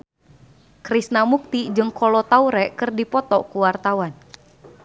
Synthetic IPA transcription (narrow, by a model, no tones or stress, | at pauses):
kɾisnamuk̚t̪id͡ʒɨŋkɔlɔt̪auɾɛkɨrdipɔt̪ɔkuwart̪awan